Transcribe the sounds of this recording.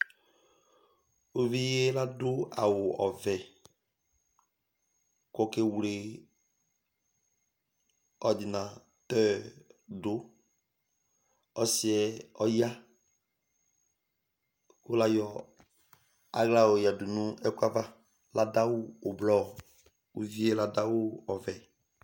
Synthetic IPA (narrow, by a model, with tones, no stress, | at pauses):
o˦vi˦je˦la˦dʊ˦a˨wʊ˨ɔ˨vɛ˨ | kɔ˦ke˦wle˨ | ɔ˨dɪ˨nã˨ | t̪ɛ˦dʊ˦ | ɔ˦si˨ɛ˨ɔ˦ja˦ | kʊ˦la˦jɔ˨ | a˦ɣla˦o˨ja˨dʊ˨nũ˦ɛ˦kʷa˦va˦ | la˦da˦wʊː˦˨blɔ˦˨ | u˦vi˦e˦la˦da˦wʊ˦ɔ˨vɛ˨